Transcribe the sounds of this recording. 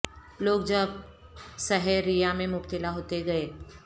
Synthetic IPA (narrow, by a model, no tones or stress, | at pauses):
loːɡ̚d͡ʒɐb | sɐɦɛɾijamẽmʊpt̪ɪlaɦoːt̪eɡɐeː